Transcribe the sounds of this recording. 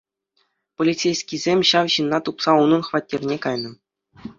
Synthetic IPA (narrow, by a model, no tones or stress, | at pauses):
polʲit͡sʲejsʲkʲizʲemʲɕɑʋɕɯnːɑt̪upsɑunɤ̆nχvɑtʲːerʲnʲekɑjnɤ̆